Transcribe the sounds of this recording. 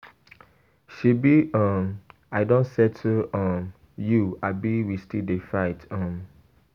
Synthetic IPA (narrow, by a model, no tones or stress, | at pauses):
ʃibiʔɔ̃m | aɪdõnsɛtuɔ̃m | juabiwistidefaɪtɔ̃m